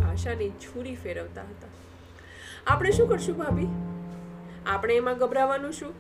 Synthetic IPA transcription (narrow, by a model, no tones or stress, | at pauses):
aʃanit͡ʃʰuɾifeɾəʋt̪a̰ɦət̪a | apəɽ̃eʃũkəɾʃũbʱabi | apəɽ̃eːmãɡəbɾaʋanũʃũ